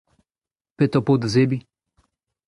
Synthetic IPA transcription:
pet̪ɔpod̪zebi

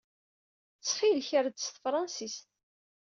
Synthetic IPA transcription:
t͡sːχilçəɾd̪sθfɾˤɑnsist̪

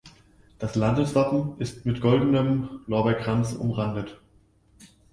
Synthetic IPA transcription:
d̥aslandəsv̥apm̩ʔɪstmɪtɡ̥ɔldn̩əmlɔɐbɐkʁ̥ant͡sʊ̰mʁandət

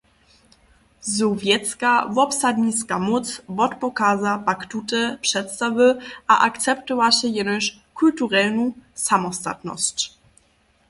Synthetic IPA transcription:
zɔvjɛt̪t͡skavɔpsad̪ɲiskamɔtt͡svɔtpɔkaːzapaktutɛpʂɛt̪st̪avəʔa̰ʔaktt͡sɛptɔvaɕɛjɛnəɕ | kultuʁɛlnusamɔst̪a̰t̪nɔ̰st͡ɕ

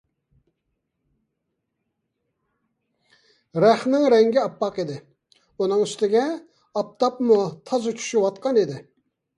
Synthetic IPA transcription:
ɾæχnɪŋɾɛŋɡʲiɑpːɑqid̪ɪ | unɨŋyst̪ɪɡʲɛ | ɑp̚t̪ɑpmut̪ʰɑzɨkʲʰy̥ʃywɑt̪̚qʰɑnid̪ɪ

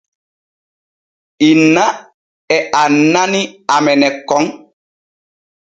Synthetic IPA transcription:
ina | ɛʔananiamɛnɛkɔŋ

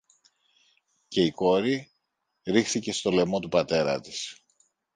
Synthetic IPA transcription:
ce̞iko̞ɾi | ɾixθice̞st̪o̞le̞mo̞t̪upɐt̪e̞ɾɐ̰t̪i̥s

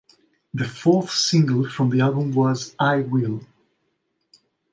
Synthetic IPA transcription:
ðɨfɔɹθsɪ̃ŋɡəl̩ˠfɹʌ̃mðiælˠbə̃mwʌzaɪwɪlˠ

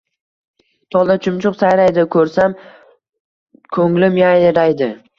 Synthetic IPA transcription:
t̪ʰɒlˠd̪at͡ʃʰʊmt͡ʃʰʊqsajɾajd̪ɪkʰɵɾsam | kʰɵŋlɪmjajɾajd̪ɪ

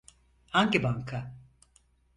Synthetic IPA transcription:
aŋkebaŋkʰa

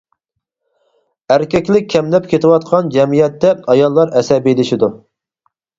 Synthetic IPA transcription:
æɾkʲɛkʲlɪk̚ʲʰːɛmlɛp̚kʲʰet̪ʰɨwɑt̪̚qʰɑnd͡ʒɛmijɛt̪ːɛɑjɑlˠːɑɾɛsɛbielɪʃid̪u

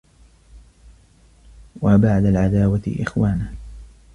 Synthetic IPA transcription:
wabaʕd̪alʕad̪aːwat̪ɪ̰ʔɪ̰xwaːnah

